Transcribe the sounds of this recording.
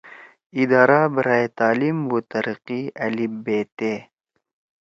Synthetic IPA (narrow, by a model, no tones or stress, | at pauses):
id̪ɑːɾabəɾaet̪aːlimwut̪ɐɾiqiɐlibet̪e